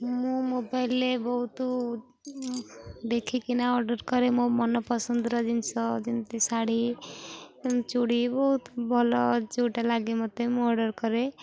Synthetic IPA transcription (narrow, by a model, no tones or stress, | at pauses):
mũmobaɪlːebɔɦut̪ | d̪ekʰikinaɔɾɖəɾkɔɾemũmɔnɔpɔsənd̪ɾʌd͡ʒinsɔd͡ʒint̪isaɽi | t͡ʃuɽibɔɦut̪bʱɔlɔd͡ʒuʈalaɡimʌt̪emũɔɾɖəɾkɔɾe